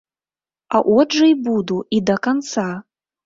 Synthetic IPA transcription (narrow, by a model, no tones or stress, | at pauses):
ɐʔɔʐɐjbud̪uid̪ɐkant̪sa